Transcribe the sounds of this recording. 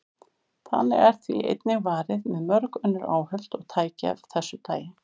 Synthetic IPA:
θa̰nːɪ̰ɣɛɾ̥θviʔḛjt̪̚nɪɣvaːɾɪðmɛðmœɾkʏnːʏɾa̰ːwhœl̥t̪ɔɣt̪ʰaːjca̰vθɛsːʏt̪ʰaːjɪ

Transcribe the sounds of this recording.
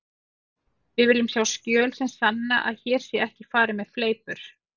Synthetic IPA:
vɪðvɪlːɪmsjaːwscœːlsɛmsanːaʔa̰ðçɛːɾ̥sjɛɛhcɪfaːɾɪmɛðfleːjpʏɾ̥

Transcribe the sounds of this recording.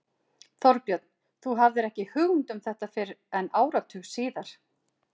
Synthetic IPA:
θɔɾpjœt̪̚n̥ | θuɦavðɪɾɛhcɪhʏɣnt̪ʏmθɛht̪afɪɾɛnaːwɾat̪ʰʏɣsiːðaɾ̥

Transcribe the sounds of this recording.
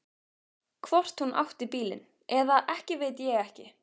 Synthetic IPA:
kʰvɔr̥t̪hunʔa̰wht̪ɪpiːlɪ̰n | ɛðaʔɛhcɪveːjt̪̬jɛɣɛhcɪ

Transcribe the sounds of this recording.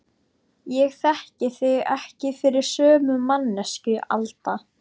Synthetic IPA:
jɛɣθɛhcɪθɪɣɛ̰hcɪfɪɾɪɾ̥sœːmʏmanːɛscʏʔa̰lt̪a

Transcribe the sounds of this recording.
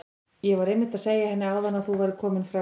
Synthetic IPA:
jɛvaɾejmːɪt̪aðseːjahɛnːɪaːwðanːaðθuvaɾɪ̥kʰɔːmɪnfɾa

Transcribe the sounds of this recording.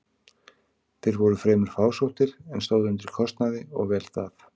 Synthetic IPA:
θejɾvɔɾʏfɾɛːmʏɾ̥faːwsowht̪ɪɾɛnst̪oːwðʏnt̪ɪɾ̥kʰɔst̪naðɪɔ̰ɣvɛːlθaθ

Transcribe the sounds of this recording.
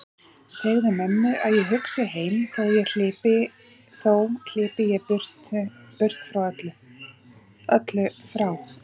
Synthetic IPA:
sɛɣðɪmɛmːʏʔaðjɛɦʏksɪɦeːjmθawjɛl̥ɪːpɪ | θowl̥ɪːpɪjɛpʏr̥tpʏr̥t̪fɾawœt̪lʏ | œt̪lʏfɾaw

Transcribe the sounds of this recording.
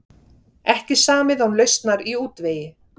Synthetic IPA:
ɛhcɪsaːmɪðawnlœɥst̪naɾiuːt̪veːjɪ

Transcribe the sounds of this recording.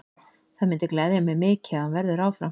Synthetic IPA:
θaðmɪnt̪ɪklɛːðɪmːɛmɪːcɪahanvɛɾðʏɾaːwfɾa

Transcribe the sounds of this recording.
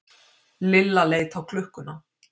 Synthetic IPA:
lɪlːaleːjt̪awkʰlʏhkːʏna

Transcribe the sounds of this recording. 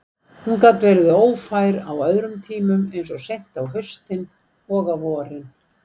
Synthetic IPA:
hunkaːt̪vɛːɾðʏoːwfajɾa̰wœðɾʏmt̪ʰiːmʏmejnsɔsejht̪awɦœɥst̪ɪn | ɔːɣavɔːɾɪn

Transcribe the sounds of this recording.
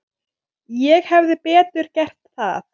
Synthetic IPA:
jɛɣhɛvðɪpɛːt̪ʏɾ̥cɛr̥t̪θa̰θ

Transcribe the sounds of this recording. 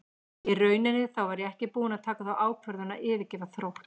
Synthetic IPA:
irœːɥnɪnːɪθawvaɾjɛɣɛhcɪpuːnaðt̪ʰaːkaθawʔaːwkʰvœɾðʏna̰ʔɪːvɪcɪːvaθɾow

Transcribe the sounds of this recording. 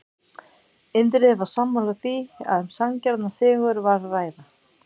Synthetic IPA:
ɪnt̪̬ɾɪɛvḁsamːalaθia̰ðɛmsaŋcaɾt̪nasɪːɣʏɾvaɾraːjða

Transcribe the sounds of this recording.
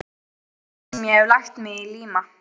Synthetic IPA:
mjɛɛvlajxt̪mɪɣiliːma

